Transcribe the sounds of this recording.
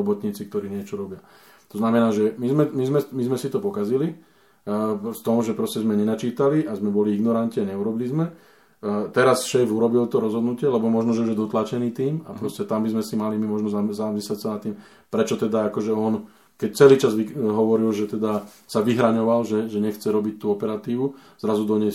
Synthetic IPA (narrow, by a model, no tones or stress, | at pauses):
ɔbɔt̪ɲiːt͡sikt̪ɔɾiːɲɪɛt͡ʃɔɾɔbɪa | t̪ɔznamɛnaːʒɛmizmɛmizmɛmizmɛsit̪ɔpɔkazili | ft̪ɔmʒɛpɾɔscɛzmɛɲɛnat͡ʃiːt̪aliʔazmɛbɔliiɡnɔɾanc̪iaɲɛuɾɔbilizmɛ | t̪ɛɾasʃɛːfuɾɔbilt̪ɔɾɔzɦɔd̪nucɪɛlɛbɔmɔʒnɔʒɛuʒjɛd̪ɔt̪lat͡ʃɛniːt̪iːma̰pɾɔscɛt̪ambizmɛsimalimimɔʒnɔzazamɛslacsanat̪ːim | pɾɛt͡ʃɔt̪ɛd̪aakɔʒɛɔn | kɛct͡sɛliːt͡ʃazʋiɦɔʋɔɾilʒɛt̪ɛd̪a | saʋiɦɾaɲɔʋalʒɛʒɛɲɛxt͡sɛɾɔbic̚t̪uːɔpɛɾat̪iːʋu | z̥ɾazud̪ɔɲɛs